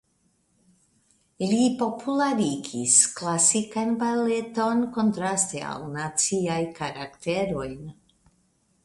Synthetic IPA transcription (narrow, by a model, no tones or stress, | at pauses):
lipo̞pʰulaɾiɡisklasikanbaleto̞nko̞ntɾastea̰wnat͡siajkaɾakte̞ɾo̞jn